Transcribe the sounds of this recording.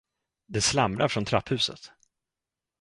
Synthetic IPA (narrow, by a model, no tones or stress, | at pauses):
d̪ɛslamɾaɾfɾɔnt̪ʰɾapʰːhʉ̟ːsə̰t̪